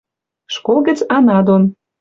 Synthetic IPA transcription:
ʃkolˠɡə̆t͡sɑnɑd̪on

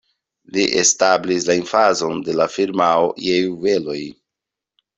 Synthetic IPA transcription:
liʔe̞stablislainfazo̞nde̞lafiɾmaojejuve̞lo̞j

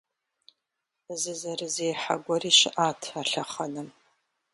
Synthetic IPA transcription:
zɨzarɨzejħaɡʷariʃʔatʰaɬaχanɨm

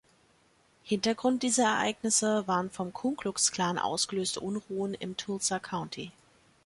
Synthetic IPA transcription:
hɪntɐɡʁʊnt̚d̥iːzɐɛɐʔa̰ɪɡnɪsəvaːʁənfɔmkʰuŋklʊkskl̥aːnʔa̰ʊsɡ̥əløːstʰəʔʊnʁuːənɪ̰mtʰulsakʰaʊntʰi

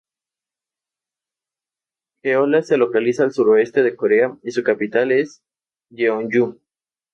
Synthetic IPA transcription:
xeolase̞lo̞kalisaːlsuɾo̞e̞st̪e̞ðe̞ko̞ɾe̞aisukapit̪ale̞s | ʎeonʝu

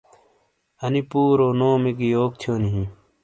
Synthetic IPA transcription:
ɐnipuːɾoːnoːmekioːk̚t̪ʰijoːniɦĩ

